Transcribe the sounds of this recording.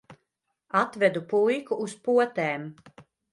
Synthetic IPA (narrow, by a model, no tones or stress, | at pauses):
at̪vɛd̪upujkuːspuɔt̪ɛːm